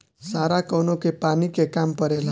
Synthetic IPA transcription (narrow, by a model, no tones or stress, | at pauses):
saɾakʌwnokepanikekampʌɾela